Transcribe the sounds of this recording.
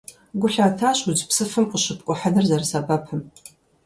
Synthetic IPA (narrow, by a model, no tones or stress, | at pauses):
ɡʷʊɬaːtʰaːɕʼʊd͡ʒpsɨfɨmqʼəɕɨp̚ʼkʷʼɔħadɨrzɐrsabɐpʰɨm